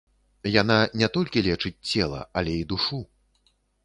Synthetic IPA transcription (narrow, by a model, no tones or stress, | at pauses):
jan̪anʲɛt̪ɔlʲkʲilʲɛt͡ʂɨt͡sʲt͡sʲɛlˠɐ̰ɐlʲɛid̪uʂu